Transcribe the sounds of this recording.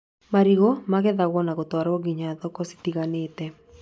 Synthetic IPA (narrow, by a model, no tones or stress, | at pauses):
maɾiɣomaɣɛðaɣɔnaɣɔt̪waɾɔɡiɲaðɔkɔsi̥tiɣaneːtɛ